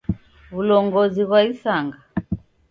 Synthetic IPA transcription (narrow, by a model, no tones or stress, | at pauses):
βulɔŋɡɔziɣwaisaŋɡa